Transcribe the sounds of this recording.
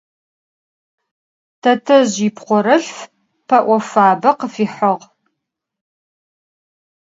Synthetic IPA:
tʰɐtʰɐʑipqʷɔɾɐɬf | pʰɐʔʷɔfaːbɐqəfiːħɐʁ

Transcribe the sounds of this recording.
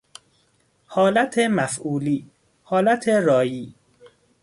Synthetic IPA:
hɒːlæt̪ʰemæfʔuːliː | hɒːlæt̪ʰeɾɒːjiː

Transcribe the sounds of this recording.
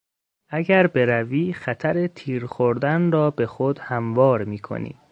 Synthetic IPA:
ʔæɟæɾbe̞ɾæviːxæt̪ʰæɾet̪ʰiːɾxoɾd̪ænrɒːbe̞xod̪̥hæmvɒːɾmiːkʰo̰nḭ̥ː

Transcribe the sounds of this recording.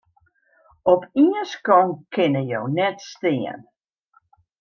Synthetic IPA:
ɔpʰiəskɔŋkʰɪnəjownɛtstɪə̰n

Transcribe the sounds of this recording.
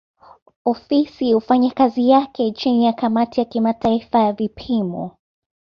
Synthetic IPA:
ɔfisiufaɲakazijakɛt͡ʃinijakamatijakimataifajavipʰimɔ̰

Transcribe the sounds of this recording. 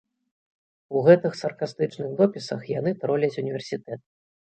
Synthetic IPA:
uɣɛt̪ɨxsɐrkast̪ɨt͡ʂnɨɣd̪ɔpʲisɐ̰xjanɨt̪ɾɔlʲɐt͡sʲunʲivʲɛrsʲit̪ɛt̪̚

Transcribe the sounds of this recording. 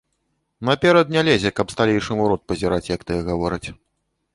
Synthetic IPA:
nɐpʲɛɾɐd̪nʲalʲɛzʲɛkɐpst̪alʲejʂɨmuɾɔt̪̚pɐzʲiɾat͡sʲjɐkt̪ɨjɛɣavɔɾɨt͡sʲ

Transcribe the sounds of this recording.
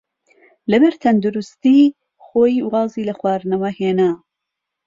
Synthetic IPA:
lɐbɐɾt̪ʰɐnd̪uɾust̪iː | xoːjiwɑːziːlɐxwɑːɾnɐwɐheːnaː

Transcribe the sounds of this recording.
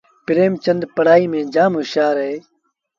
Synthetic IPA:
pɪɾeːmt͡ʃənd̪pəɽaːiːmẽːd͡ʒaːmɦʊʃjaːɾɦeː

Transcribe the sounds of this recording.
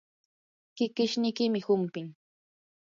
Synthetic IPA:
kɪkɪʃnɪjkɪmɪhʊmpɪŋ

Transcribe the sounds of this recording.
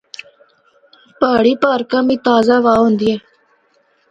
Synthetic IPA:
paːɽiːpaːɾkãːmĩːt̪aːzaːʋaːɦõːnd̪iːɛː

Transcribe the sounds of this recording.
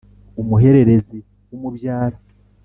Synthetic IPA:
umuɦe̞ɾe̞ɾe̞zi | wumubjaːɾa

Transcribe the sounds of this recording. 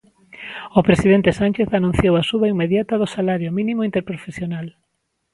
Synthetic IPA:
opɾesiðent̪esanʲt͡ʃeθanũn̟θjowasuβɐimeðjat̪ɐðʊsalaɾjomĩnĩmoint̪eɾpɾofesjonal

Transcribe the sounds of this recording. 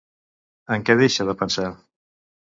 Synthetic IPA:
əŋkɛðeʃəðəpənsa

